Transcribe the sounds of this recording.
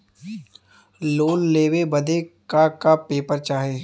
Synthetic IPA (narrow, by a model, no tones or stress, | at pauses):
loːlːeːwebəd̪ʱekakapeːpəɾt͡ʃaːɦeː